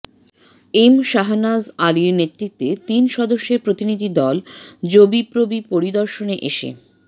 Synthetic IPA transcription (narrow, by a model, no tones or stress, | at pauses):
emʃaɦanazaliɾnet̪ːɾit̪ːet̪inʃɔd̪oʃːeɾpɾot̪inid̪ʱid̪ɔld͡ʑobipɾobipoɾid̪ɔɾʃoneʔeʃḛ